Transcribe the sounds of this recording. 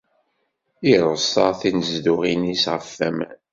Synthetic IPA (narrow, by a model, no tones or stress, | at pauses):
iɾˤəsɑʁθinəzd̪ʊʁinisʁəfːæmæ̰n